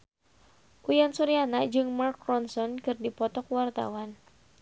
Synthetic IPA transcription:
ʔujansuɾianad͡ʒɨŋmarkrɔnsɔnkɨrdipɔt̪ɔkwart̪a̰wan

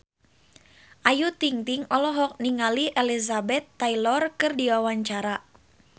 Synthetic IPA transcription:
ʔajut̪iŋt̪iŋɔlɔɦɔk̚niŋaliʔelizabɛt̪ːailɔrkɨrdiwawaɲt͡ʃaɾa

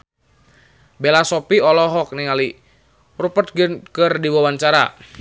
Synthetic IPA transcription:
belasɔpiɔlɔɦɔk̚niŋali | rupət̪̚kərdiwawaɲt͡ʃaɾa̰

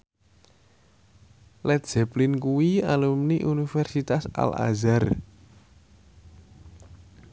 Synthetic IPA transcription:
lɛt̪̚d͡ʒ̥ɛplinkuwialumniʔunifɛrsit̪asa̰la̰zar

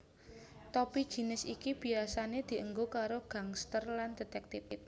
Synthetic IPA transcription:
t̪ɔpid̥ʒ̥i̤nɪsikib̥i̤asaned̪̥i̤ʔəŋɡokaɾoɡ̥ä̤ŋst̪ərland̪̥e̤t̪ɛk̚t̪ɪf

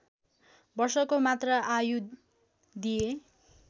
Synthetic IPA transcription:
bʌrsʌkomat̪rʌʔaju | d̪ije

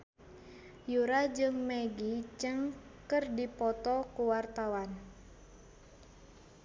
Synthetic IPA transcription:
juɾad͡ʒɨŋmeɡit͡ʃəŋkɨrdipɔt̪ɔkuwart̪awan

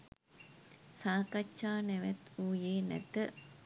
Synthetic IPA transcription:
saːkatːʃaːnɛʋɛt̪uːjeːnɛ̰t̪ə

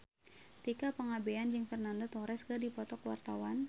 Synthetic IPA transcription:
t̪ikapəŋabeand͡ʒɨŋfərnandot̪ɔɾɛskərdipɔt̪ɔkəwa̰rt̪awan

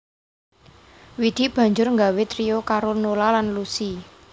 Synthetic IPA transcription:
wid̪̥i̤b̥ä̤ɲd͡ʒʊrŋɡawet̪ɾiokaɾonolalanlusi

